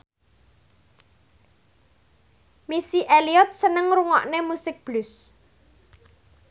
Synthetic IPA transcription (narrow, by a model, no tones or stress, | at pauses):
misiʔeliɔt̪̚sənəŋɾuŋɔʔnemusɪk̚b̥lʊs